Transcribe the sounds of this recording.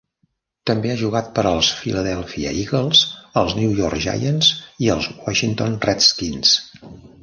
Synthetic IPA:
t̪əmbeaʒuɣat̪̚pəɾəlˠsfiləðɛlˠfḭə̰iɣəlˠz̥əlˠzniujɔɾkʒa̰jənziəlˠzwaʃint̪onrɛt̪skins

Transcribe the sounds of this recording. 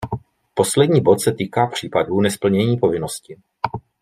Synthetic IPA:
po̞slɛdɲiːbot̪sɛt̪iːkaːpr̝̥iːpaduːnɛspl̩ɲɛɲiːpo̞vɪno̞scɪ

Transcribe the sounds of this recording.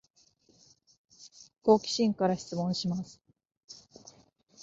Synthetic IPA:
ko̞ːkʲi̥ɕĩŋkaɾaɕi̥t͡sɨmõ̞ɕimasɨ̥

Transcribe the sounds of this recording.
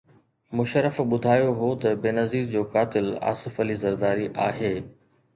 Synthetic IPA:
mʊʃəɾəfɓʊd̪ʱaːjoɦot̪ɐbeːnɐziːzd͡ʑoːkaːt̪ɪla̰ːsɪfɐlizɐɾd̪aːɾiʔaːɦeː

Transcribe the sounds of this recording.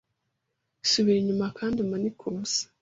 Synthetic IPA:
suβiɾiɲumakʰaːndimanikʰoːsḁ

